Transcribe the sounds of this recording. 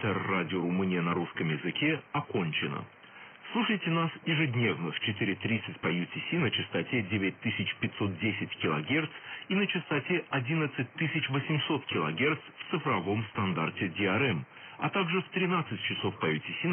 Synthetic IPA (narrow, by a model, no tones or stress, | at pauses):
t̪ərːadʲɪoɾʊmɨnʲɪjənɐɾuskəmjɪzɨkʲeɐko̞nʲt͡ɕɪnə̰ | slˠuʂəjtʲɪnasjɪʐɨdʲnʲe̞vnəft͡ɕɪt̪ɨɾʲɪt̪ɾʲit̪sɨtʲpɐjʉtʲɪsʲinət͡ɕɪst̪ɐtʲedʲevʲɪt̚ʲt̪ɨsʲɪt͡ɕpʲɪtʲso̞t̪̚dʲesʲɪtʲkʲɪlˠɐɡʲe̞rt̪sinət͡ɕɪst̪ɐtʲeʔɐdʲinət̪sɨt̚ʲt̪ɨsʲɪt͡ɕvəsʲɪmso̞t̪kʲɪlˠɐɡʲe̞rt̪sft̪sɨfɾɐvo̞mst̪ɐnd̪artʲɪdʲɪɐɾɛm | ɐ̰t̪aɡʐɨft̪ɾʲɪnat̪sɨt̚ʲt͡ɕɪso̞fpɐjʉtʲɪsʲi